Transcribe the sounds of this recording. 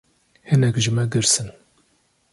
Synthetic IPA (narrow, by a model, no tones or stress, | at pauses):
hɨnɛkʒɨmɛɡɨɾsɨn